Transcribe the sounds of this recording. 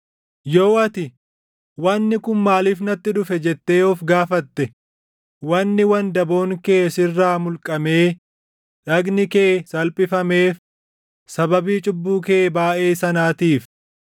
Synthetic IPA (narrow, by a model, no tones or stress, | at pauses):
joːʔɐt̪ɪ | wɐnːɪkʊnmaːliːfnɐt̪ːɪᶑʊfɛd͡ʒɛt̪ːe̞ːɔfɡaːfɐt̪ːɛ | wɐnːɪwɐnd̪ɐbo̞ːŋkeːsɪrːaːmʊlkʼːɐme̞ː | ᶑɐɡnɪkeːsɐlpʼɪfɐme̞ːf | sɐbɐbiːt͡ʃʼʊbːuːk̬eːbaːʔe̞ːsɐnaːt̪iːf